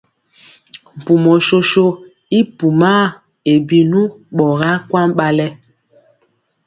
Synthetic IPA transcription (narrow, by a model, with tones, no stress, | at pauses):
m̩˨pu˨mɔ˨ʃo˦ʃo˦ | i˦pu˨ma˦˨ | e˨bi˨nu˦ | ɓɔ˨ɣa˦kwa˦mɓa˦lɛ˦